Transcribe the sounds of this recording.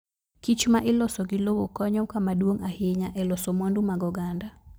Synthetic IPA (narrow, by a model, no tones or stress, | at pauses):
kit͡ʃmaʔɪlɔsɔɡɪlowokɔɲɔkamadwoŋahɪɲaʔɛlɔsomondumaɡɔɡanda